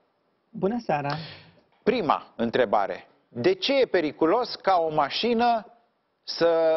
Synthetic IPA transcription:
bunəsaɾa | pɾima̰ɨnt̪ɾe̞ba̰ɾe̞̰ | d̪e̞t͡ʃe̞je̞pe̞ɾikulo̞skao̞maʃinə | sə

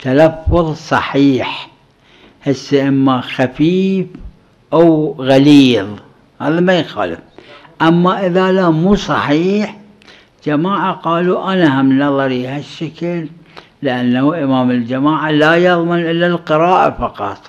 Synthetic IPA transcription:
t̪alafːʊðˤsˤɑħiːħ | hɪsːaʔɪmːaxafiːf | ʔawɣaliːðˤ | haːðamajxa̰ːlɪ̰f | ʔamːaʔɪðalamuːsˤɑ̰ħiːħ | d͡ʒamaːʕaqɑːluʔanahamnɑðˤɑɾihaʃːakɪlː | ɪʔanːahuʔɪmaːmɪld͡ʒamaːʕalaːjɑðˤmɪnʔɪlːalqɨɾaːʔa̰fɑqɑ̰t̪ˤ

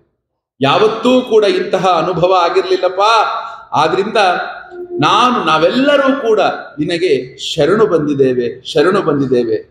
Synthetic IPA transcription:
jaːʋɐt̪ːuːkuːɽɐint̪ɐɦɐːnubʱɐʋɐaːɡiɾɐlilːɐpːaːa̰ːd̪ɐɾind̪ɐ | naːnunaːʋɛlːɐɾuːkuːɽɐninɐɡe̞ʃɐɾɐɳubɐnd̪id̪eːʋe̞ʃɐɾɐɳubɐnd̪id̪eːʋe̞

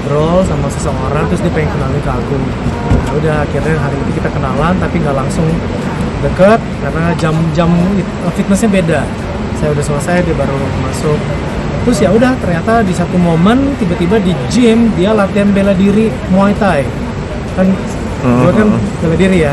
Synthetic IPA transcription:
bəɾɔlsamasəsəoɾaŋt̪ɾʊsdiapaɪŋkənalikəaɡʊn | audahakirɲaɦaɾiit̪ukit̪akənalant̪apiŋɡalaŋsʊŋ | dəkət̪̚karənad͡ʒamd͡ʒami | əfit̪̚nəsɲabeda | sajaudahsəmasajadiabaɾu | masʊk̚ | t̪ɾʊsjaudaht̪ərɲat̪adisat̪umomənt̪ibat̪ibadid͡ʒɪmdialat̪ianbeladiɾi | moajt̪aj | kan | ibakanbeladiɾija

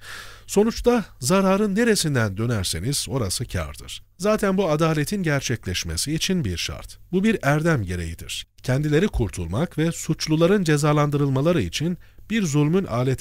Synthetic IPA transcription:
so̞nut͡ʃt̪ʰazaɾaːɾɯnːe̞ɾesind̪ænd̪ø̞næɾse̞niz̥o̞ɾasɯcʰa̰ɾd̪ɯ̰ɾ̥zaːt̪ʰænbuad̪aːlʲet̪ʰinɟæɾt͡ʃʰɛclʲɛʃmḛsiːt͡ʃʰinbiɾʃa̰ɾt̪bubiɾæɾd̪æmɟe̞ɾe̞̰jid̪ḭɾ̥cʰɛnd̪ilʲe̞ɾikʰuɾt̪ʰulˠmakvɛsut͡ʃlˠulˠaɾɯnd͡ʒe̞zaːlˠand̪ɯɾɯlˠmalˠaɾɯit͡ʃʰinb̥iɾzulʲmynʔa̰ːlʲet̪ʰ

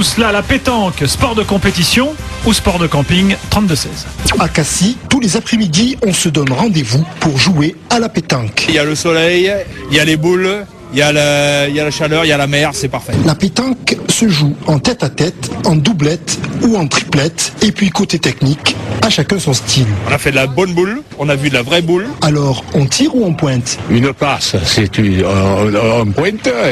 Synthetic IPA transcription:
t̪uslalapet̪ɑ̃kspɔʁd̪əkɔ̃pet̪isjɔ̃uspɔʁd̪əkɑ̃piŋt̪χɑ̃t̪̚d̪əsɛ̰zakasit̪ulezapχemid̪iɔ̃səd̪ɔnʁɑ̃d̪evupuʁʒuealapet̪ɑ̃kijaləsɔlɛjjalebul | jalijalaʃalœʁijalamɛʁsɛpaʁfɛlapet̪ɑ̃ksəʒuɑ̃t̪ɛt̪at̪ɛt̪ɑ̃d̪ublɛt̪uɑ̃t̪χi̥plɛt̪epɥikot̪et̪ɛknikaʃakɛ̃sɔ̃st̪ʰilɔ̃nafɛd̪əlabɔnbul | ɔ̃navyd̪əlavʁɛbulalɔʁɑ̃t̪ʰiʁuɑ̃pwɛ̃t̪ynplassɛt̪y | ɛ̃pwɛ̃t̪ø

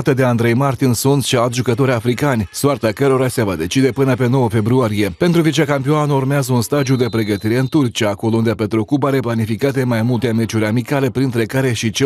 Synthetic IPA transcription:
t̪əd̪e̞and̪ɾe̞jmart̪insunt̪ʃialt̪ʲʒukət̪o̞ɾʲafɾikanʲsoart̪akəɾo̞ɾasevad̪e̞t͡ʃid̪e̞pɨnəpe̞no̞wəfe̞bɾuaɾije̞pe̞nt̪ɾuvit͡ʃakampioanurmeazəunst̪ad̪iud̪e̞pɾe̞ɡət̪iɾe̞ɨnt̪urt͡ʃiaːko̞lound̪eape̞t̪ɾokubaɾe̞planifikat̪e̞majmult̪eme̞t͡ʃuɾʲamikale̞pɾint̪ɾe̞kaɾe̞ʃit͡ʃe

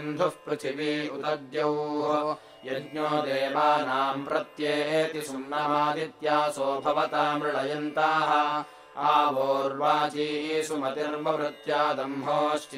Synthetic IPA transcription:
nd̪ʱupɾut͡ʃʰiʋiːut̪ɐd̪jɐuːɦo | jɐdɲoːd̪eːʋaːnaːmpɾɐt̪jeːeːt̪isunːɐɦaːd̪it̪jaːsoːbʱɐʋɐt̪aːmɾɪɭɐjɐnt̪aːɦɐ̆ | aːʋoːɾʋaːt͡ʃiːɦiːsumɐt̪iɾmɐʋɾɪt̪jaːd̪ɐmɦoːʃʈ

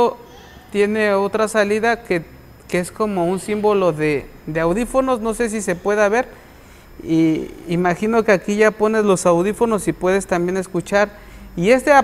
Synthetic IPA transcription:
o | t̪je̞ne̞o̞t̪ɾasaliðake | keesko̞mo̞unsimbo̞lo̞ðe | d̪eawðifo̞no̞sno̞se̞s̬ise̞pwe̞ðaβe̞ɾ | iimaxino̞keakiʝapo̞ne̞zlo̞sawðifo̞no̞sipwe̞ðe̞st̪ambjene̞skut͡ʃaɾ | ie̞st̪ea

